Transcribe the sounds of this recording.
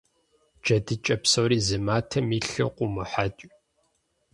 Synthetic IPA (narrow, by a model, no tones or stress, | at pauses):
d͡ʒɐdɨt͡ʃʼɐpsowɾiːzɨmaːtʰɐmiːɬɨ̰qʷʼʊmʊħat͡ʃʼ